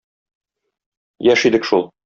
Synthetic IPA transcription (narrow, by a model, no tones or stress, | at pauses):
jæʃid̪ɘkʃulˠ